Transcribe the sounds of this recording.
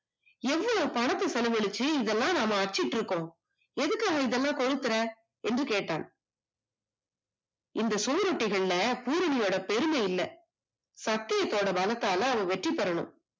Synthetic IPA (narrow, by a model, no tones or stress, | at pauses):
ɛʋːɐɭɐpɐɳɐt̪ːɐsɐlɐʋɛɭɪt͡ʃːɯɪðɛlːãːnaːmɐɐʈ̚t͡ʃːɪʈːɪɾɯkːõː | ɛðɯkːaːɣɐɪðɛlːãːkɔɾɯt̪ːɯɾɐ | ɛndrɯkeːʈːa̰ːn | ɪnd̪ɐsʊʋɐɾɔʈːɪɣɐɭɪlɐpuːɾɐɳɪjoːɽɐpɛɾɯmɐjɪlːɐ̰ | sɐk̚t̪ɪjɐt̪ːoːɽɐbɐlɐt̪ːaːlɐːʋɐ̃ʋɛʈripːɐɾɐɳɯ̰m